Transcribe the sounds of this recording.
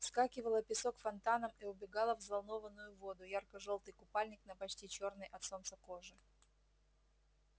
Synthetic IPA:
fskakʲɪvəlˠəpʲɪsokfɐnt̪anəmiʊbʲɪɡalˠəvzvalˠno̞vənːʊjʊvo̞d̪ʊjarkəʐolˠt̪ɨjkʊpalʲnʲɪknəpɐt͡ɕtʲit͡ɕo̞rnɨjʔɐt̪so̞nt̪səko̞ʐɨ

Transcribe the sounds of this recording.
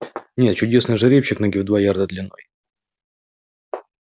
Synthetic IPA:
nʲet̪̚t͡ɕʊdʲe̞snɨjʐɨɾʲepɕːɪknoɡʲɪvd̪vajard̪əd̪lʲɪnːo̞̰j

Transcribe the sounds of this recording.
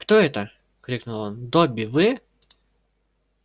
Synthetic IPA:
xt̪ɔɛt̪ə | kɾʲiknʊlˠɔnd̪ɔbʲiʋɨ

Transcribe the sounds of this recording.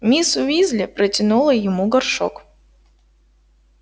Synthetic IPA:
mʲisʊvʲizʲlʲɪpɾətʲɪnulˠəjɪmuɡɐrʂo̰k

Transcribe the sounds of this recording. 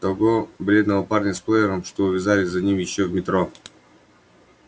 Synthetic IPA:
t̪ɐɡobɾʲe̞d̪nəvəparnʲɪsplˠɛjɪɾəmʂt̪oʊvʲɪzalʲɪzɐnʲimjɪɕːovmʲɪt̪ɾo

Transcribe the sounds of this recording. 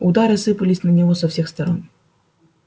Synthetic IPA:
ud̪aɾɨsɨpəlʲɪsʲnɐnʲivɔsɐfsʲɛxst̪ɐɾɔn

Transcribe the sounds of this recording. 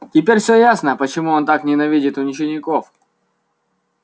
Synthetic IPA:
tʲɪpʲeɾʲfsʲɵjasnəpət͡ɕɪmuont̪aknʲɪnɐvʲidʲɪt̪ʊnʲɪt͡ɕɪnʲɪkof

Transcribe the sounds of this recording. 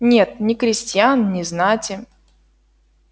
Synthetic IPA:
nʲe̞t̪̚nʲɪkɾʲɪsʲtʲjannʲɪznatʲɪ

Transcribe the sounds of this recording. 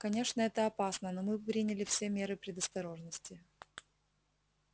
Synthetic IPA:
kɐnʲe̞ʂnəɛt̪əɐpasnəno̞mɨpɾʲinʲɪlʲɪfsʲe̞mʲe̞ɾɨpɾʲɪd̪əst̪ɐɾo̞ʐnəsʲtʲɪ

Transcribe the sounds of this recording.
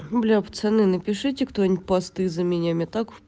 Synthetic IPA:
blʲapt̪sɛnɨnəpʲɪʂɨtʲɪkt̪onʲɪt̚ʲpɐst̪ɨzəmʲɪnʲamʲɪt̪ak

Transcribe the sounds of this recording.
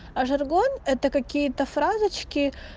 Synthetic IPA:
ɐʐɐrɡonɛt̪əkɐkʲijət̪əfɾazɨt͡ɕkʲɪ

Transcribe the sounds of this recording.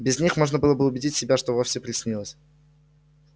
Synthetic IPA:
bʲɪzʲnʲixmo̞ʐnəbɨlˠəbɨʊbʲɪdʲitʲsʲɪbʲaʂt̪ovofʲsʲɪpɾʲɪsʲnʲilˠəsʲ

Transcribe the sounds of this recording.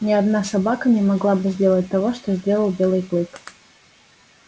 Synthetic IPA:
nʲɪɐd̪nasɐbakənʲɪmɐɡlˠabɨzʲdʲelˠət̚ʲt̪ɐvo̞ʂt̪ozʲdʲe̞lˠəlˠbʲe̞lˠɨjklˠɨk

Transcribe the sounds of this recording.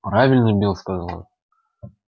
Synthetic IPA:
pɾavʲɪlʲnɨbʲilˠskazɑlˠɑ̰t̪

